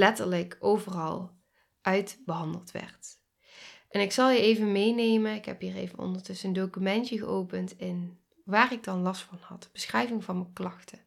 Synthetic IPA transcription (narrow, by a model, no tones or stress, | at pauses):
lɛtəɹləkowvərɑlˠ | ʔœɥdbəɦɑndəlˠtʋɛ̰ɹt | ʔɛnɪksɑlˠjəejvənmejnejmənɪkɦɛ̰pɦiːrḛjvə̰nɔ̰ndəɹtɵsəndowkymɛntjəɣəʔowpəntɪn | ʋaːrɪɡ̚dɑnlɑstfɑnhɑ̰tb̥əsxrɛjvɪŋvɑnməklɑxtə